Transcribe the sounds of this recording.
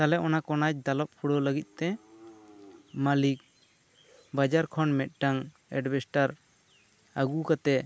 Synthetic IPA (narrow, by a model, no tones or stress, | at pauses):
kalɛʔɔnakɔnac̚d̪alɔp̚pʰuɽɔləɡit̪̚ˀt̪ɛ | malik̚ | bad͡ʒaɾkʰɔnmɛt̪̚ˀʈaŋ | ɛ̰ɖbɛsʈaɾ | aɡukat̪ɛ